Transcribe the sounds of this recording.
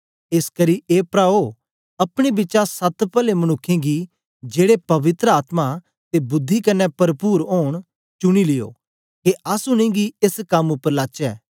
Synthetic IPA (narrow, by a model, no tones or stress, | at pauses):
eskəɾiʔeːpɾaːo | ɐpɽ̃ebɪt͡ʃasɐt̪pəlemɐñʊkʰːẽɡi | d͡ʒeːɽepɐʋɪt̪ɾəaːt̪ma | t̪ebʊd̪ʱːikɐnːɛpɐɾəpuːɾoːɽ̃ | t͡ʃʊɽ̃ilɪjo̰ː | keʔɐsʊñẽːɡiɪskɐmʊpːəɾlaːt͡ʃɛː